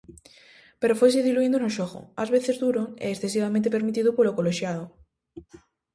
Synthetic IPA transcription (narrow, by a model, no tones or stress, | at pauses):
pe̞ɾofwes̬iðiluind̪onoʃoɣo̰azβe̞θe̞zðuɾoŋeːsθe̞siβamẽnt̪̬epe̞ɾmit̪iðopolokoloʃjað̞o